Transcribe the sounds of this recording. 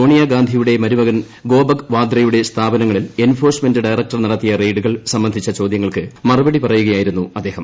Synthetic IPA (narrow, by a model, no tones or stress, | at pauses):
soːɳijaɡaːnd̪ʱijuɽe̞mɐɾuʋɐɣɐn | ɡo̞ːbɐɡʋaːd̪rɐjuɽe̞st̪ʰaːbɐnɐŋːɐɭile̞nfo̞ːrsme̞ndɨɖɐjrɐk̚ʈɐrnɐɽɐt̪ːijɐreːɖuɣɐɭsɐmbɐnd̪ʱit͡ɕːɐt͡ɕo̞ːd̪jɐŋːɐɭkɨmɐrubɐɽipɐrɐjuɣɐjaːjiɾunːuɐd̪ːeːhɐm